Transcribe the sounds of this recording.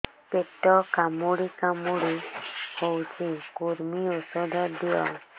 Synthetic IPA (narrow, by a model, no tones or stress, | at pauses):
peʈɔkamuɽikamuɽihowt͡ʃʰikuɾmiosɔd̪ʱɔd̪ijɔ̰